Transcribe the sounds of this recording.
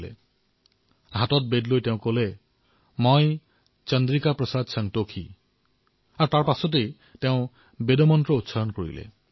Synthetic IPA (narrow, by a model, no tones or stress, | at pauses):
lḛ | ɦat̪ɔt̪̚bedlojt̪eʊ̃kole | mɔj̃ | t͡ʃʌnd̪ɾikapɾɔsad̪saŋt̪okʰḭ | aɾt̪aɾpasɔt̪̬ej | t̪eʊ̃ | bed̪ɔmɔntɾɔut̪saɾɔnɔkɔɾḭlḛ